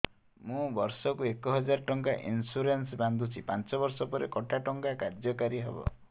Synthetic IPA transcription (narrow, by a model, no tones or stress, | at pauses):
mũbɔɾsɔkuekɔɦɔd͡ʒaɾɔʈɔŋkaʔḭnsuɾensband̪ʱut͡ʃʰipant͡ʃɔbɔɾsɔpɔɾekɔʈʰaʈɔŋkakaɾd͡ʒjɔkaɾiɦebɔ̰